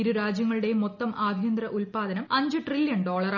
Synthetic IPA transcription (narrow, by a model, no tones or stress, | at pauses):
iɾuɾaːd͡ʑjɐŋːɐɭuɽe̞mot̪ːɐmʔaːb̪ʱjɐnd̪rɐʔulpaːd̪ɐnɐmɐɲd͡ʑɨʈriljɐnɖo̞ːɭɐr